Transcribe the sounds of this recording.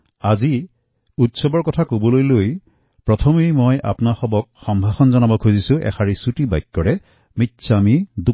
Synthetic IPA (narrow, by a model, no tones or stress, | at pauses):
azi | utsɔbɔɹkɔtʰakobɔlojloj | pɹɔtʰɔmejmɔjʔa̰pnaxɔbɔk̚xɔmbʱaxɔnzɔnabɔkʰuzisʊ̃ʔɛ̰xʰaɹisutibajkːɔɹɛ | mitːsʰamidu